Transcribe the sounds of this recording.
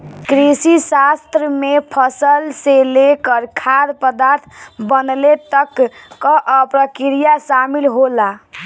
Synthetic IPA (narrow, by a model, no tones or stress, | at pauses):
kɾisisast̪ɾəmepʰəsəlselekəɾkʰaɾpəd̪aɾt̪ʰbənlet̪əkːəʔəpɾəkiɾijasamilɦola